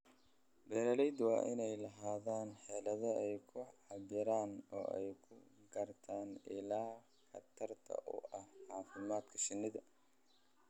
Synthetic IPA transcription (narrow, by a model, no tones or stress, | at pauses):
bɛːɾɐlɛjd̪wɑ̰ːʔɪnɛjlɐɦaːðaːnħɛːlɐðɐɛjkʰʊʕɑβɪɾaːnɔ̰ːʔɛ̰jkʰʊɡɐrt̪ʰaːnɪlaː | xɐ̰t̪ʰɐrt̪ʰɐ̰ʔʊ̰ʔɐhʕɑːfɪmaːd̪kʰɐ̥ʃɪnːɪðɐ